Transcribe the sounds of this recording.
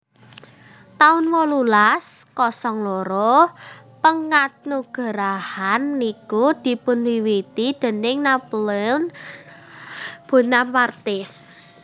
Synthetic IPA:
t̪aʊnwɔlulaskɔsɔŋloɾo | pəŋat̪̚nuɡ̥a̤ɾahanːikud̪̥i̤pʊnwiwit̪id̪̥e̤nɪŋnaplɛn | b̥o̤nampart̪i

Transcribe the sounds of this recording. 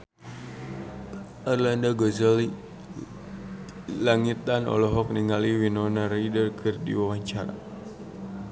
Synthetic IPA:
ɔrlandaɡɔzəli | laŋit̪anɔ̰lɔɦɔk̚niŋaliwinɔnaɾaidərkʰɨrdḭwawaɲt͡ʃaɾa̰

